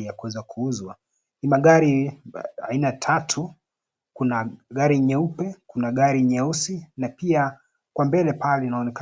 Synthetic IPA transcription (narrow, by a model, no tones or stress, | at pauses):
jakuwɛzakʰuuzwa | nimaɠaɾi | a̰inatʰatʰu | kunaɠaɾiɲɛupɛkunaɠaɾiɲɛusinapia | kwambɛlɛpalɛnaɔnɛka